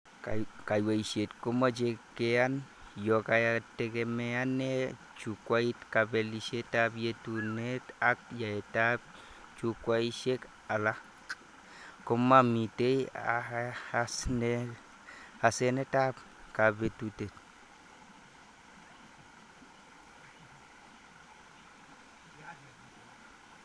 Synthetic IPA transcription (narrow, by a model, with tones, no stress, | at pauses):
ka˨jwa˨i˨ʃe˨tko˦ma˦t͡ʃe˨kːe˦a˦n | jo˨ka˨ja˨te˨keme˨a˦ne˦ | t͡ʃu˨kwa˦i˦tka˨be˨li˨ʃe˦ta˦bje˦tu˨ne˦ta˦k̚ja˨ɛ˨ta˦b̚ | t͡ʃu˨kwa˦i˦ʃe˦k | a˨la˦ | ko˦mːa˦mi˨te˦a˨a˨sne˦ | ha˨se˦ne˦ta˦b | ka˨be˨tu˨te˨t